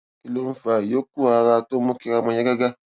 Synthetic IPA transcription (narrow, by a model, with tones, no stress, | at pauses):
ki˦lo˦m̩˦fa˨jo˦ku˦a˨ɾa˦˨to˦mo˦ke˨ka˦˨mã˨ɲa˦ɡa˦ɡa˦